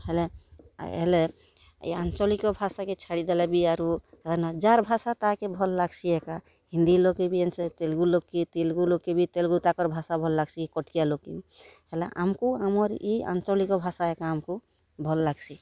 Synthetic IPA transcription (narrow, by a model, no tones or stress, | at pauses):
helḛɦḛle | ḭant͡ʃɔlikɔbʱasaket͡ʃʰaɽid̪elɛbiaɾulenad͡ʒaɾbʱasat̪akebʱɔlːaɡsʰieka | ɦĩnd̪ilokebienset̪elɡulokːit̪elɡulokːebʱit̪elɡut̪akɔɾbʱasabʱɔlːaɡsikɔʈkijalokːiɦeleʔa̰mkuamɔɾia̰nt͡ʃɔlikɔbʱasaekaəmku | bʱɔlːaɡsi